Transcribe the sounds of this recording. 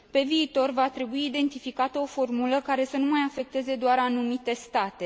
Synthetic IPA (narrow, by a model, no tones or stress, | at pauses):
pe̞viːt̪o̞rvat̪ɾe̞buiːd̪e̞nt̪ifikat̪əo̞fo̞rmuləkaɾe̞sənumajafe̞k̚t̪e̞ze̞d̪oaɾanumit̪e̞st̪at̪e̞